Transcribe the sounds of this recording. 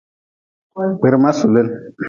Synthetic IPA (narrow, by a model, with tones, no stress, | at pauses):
k͡pe˨ɾma˦su˨le˦n